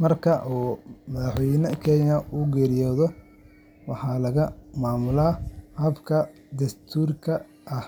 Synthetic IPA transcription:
mɐrkʰɐʔuːmɐðɑħwɛjnɐkʰɛjɐʔuːɡɛːɾɪjɔːðɔ | wɑħɑːlɐɣɐmaːmʊlaːhɐbkʰɐ | d̪ɐst̪ʰuːrkʰɐ | ʔɐh

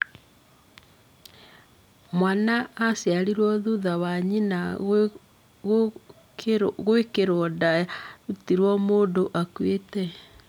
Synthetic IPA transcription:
mwanaːsjaɾiɾwɔðuðawaɲina | ɣwekeɾɔdautiɾwɔmoːndoʔakwetɛ

